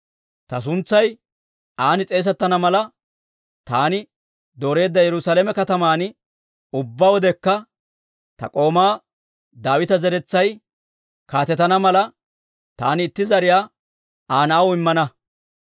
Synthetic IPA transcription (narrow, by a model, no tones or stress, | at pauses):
t̪ɐs̬ʊnt͡sːɐj | aːnɪt͡sʼe̞ːs̬ɛt̪ːɐnɐmɐlɐ | t̪aːnɪ | d̪o̞ːɾe̞ːd̪ːɐjɛɾʊsaːlemɛkɐt̪ɐmaːn | ʊbːaːwɔd̪ɛkːɐ | t̪ɐ̰kʼo̞ːmaː | d̪aːwɪt̪ɐzɛɾɛt͡sːɐj | kaːt̪ɛt̪ːɐnɐmɐlɐ | t̪a̰ːnɪːt̪ːɪzɐɾɪjaː | aːnɐʔɐwɪmːɐnɐ